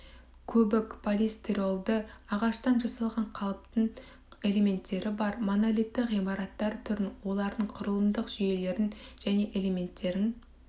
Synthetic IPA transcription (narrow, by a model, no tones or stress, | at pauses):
kʲʰɵbɪkpʰolʲest̪iɾo̞lˠd̪əɑʁɑʃt̪ɑnʒɑsɑlˠʁɑɴqʰɑlˠəp̚t̪əɴ | e̞le̞me̞nt̪ːe̞ɾɪbɑɾmonalʲit̪ːɪqijmɑɾɑt̪ːɑɾt̪ʰʏɾɪnwo̞lˠɑɾd̪əɴqʰʊɾəlˠəmd̪əqʒ̥ʏje̞le̞ɾɪnʒ̥æne̞ʔe̞leme̞nt̪ːe̞ɾɪn